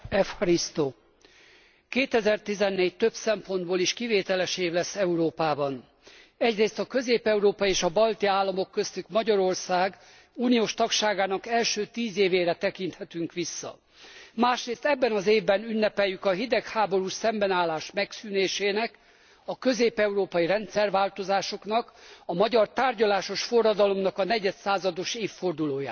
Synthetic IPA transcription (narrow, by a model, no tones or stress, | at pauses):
ɛfhɒɾist̪oː | keːt̪ɛzɛrt̪izɛnːeːɟ̚t̪øbsɛmpo̞nd̪boːliʃkiveːt̪ɛlɛʃeːvlɛsːɛuɾoːpaːbɒn | ɛɟreːst̪ɒkø̞zeːpɛuɾoːpɒeːʃɒbɒlt̪iaːlːɒmo̞kːøst̪ykmɒɟɒɾo̞rsaːɡ | uːnijoːʃt̪ɒkʃaːɡaːnɒkɛlʃøːt̪iːzeːveːɾɛt̪ɛkint̪hɛt̪yŋkʋisːɒ̰ | maːʃreːst̪ɛbːɛnɒzeːvbɛnynːɛpɛjːykɒɦid̪ɛkhaːbo̞ɾusɛmbɛnaːlːaːʃmɛksyːneːʃeːnɛk | ɒkø̞zeːpɛuɾoːpɒjiɾɛnt̪sɛrvaːlt̪o̞zaːʃo̞knɒkɒmɒɟɒrt̪aːrɟɒlaːʃo̞ʃfo̞rːɒd̪ɒlo̞mnɒkɒnɛɟɛt̪saːzɒd̪o̞ʃeːfːo̞rd̪uloːja̰ː